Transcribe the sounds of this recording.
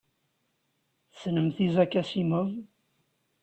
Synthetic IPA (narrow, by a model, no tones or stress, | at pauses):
θsnəmθizækːæsiməv